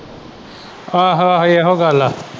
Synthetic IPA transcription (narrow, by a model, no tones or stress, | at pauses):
aɦaɦjeɦoɡaːla